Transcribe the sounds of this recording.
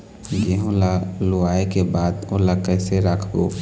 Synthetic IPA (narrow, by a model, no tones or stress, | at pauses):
ɡeɦõlaloaːekebaːd̪oːlakɛːseɾəkʰɡoː